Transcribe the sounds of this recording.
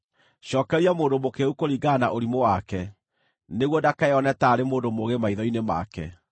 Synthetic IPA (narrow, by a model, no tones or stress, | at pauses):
ɕɔkɛɾiamoːndomokeukoɾiɡaːnaʔoɾimowakɛ | neɣwɔdakaeɔnɛtaːɾemoːndomoɣemaiðɔinema̰kɛ̰